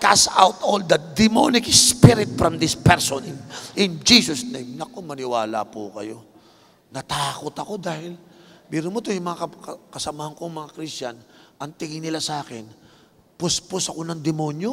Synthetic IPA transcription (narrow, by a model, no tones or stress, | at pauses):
kasa̰wt̪old̪ɐd̪ɪmo̰nɪkspɪɾɪt̪̚fɾɐmd̪ɪspɛɹsonɪʔɪnd͡ʒisosnejmnɐkomɐnɪwaːla̰pṵkɐ̰jo̞ | nɐt̪aːkot̪ɐko̞d̪aːhɪlbiɾʊnmot̪ojʊmɐŋakɐɐkɐsɐmahɐŋkoŋmɐŋakɾist͡ʃanʔɐŋt̪ɪŋɪnɪlasaːkɛn | pʊspʊsɐko̞nɐŋd̪ɛmonjo